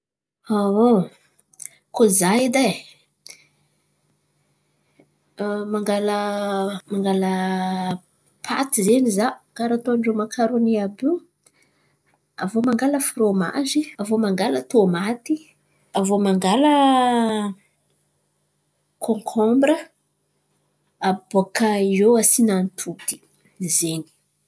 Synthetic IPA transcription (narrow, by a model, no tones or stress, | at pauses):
awo | kozajid̪a | maŋɡaləmaŋɡalə | pʰa̰t̪izenizakaɾat̪oaɳɖ͡ʐomakʰaɾoniabi | avomaŋɡaləfroma̰ziavomaŋɡalat̪omat̪i | avomaŋɡalə | kʰoŋkʰɔmbɾə | abakaioasinant̪ʰud̪i̥ | zeni̥